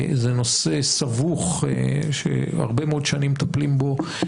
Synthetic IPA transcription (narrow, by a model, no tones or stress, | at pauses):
zenosesavuχʃḛa̰ʁbemeo̞d̪ʃanimt̪aplimbo̞